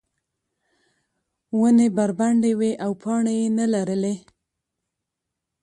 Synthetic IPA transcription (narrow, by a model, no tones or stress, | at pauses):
wənebaɾbaɳɖeweʔawpʰɑɳejenalaɾəle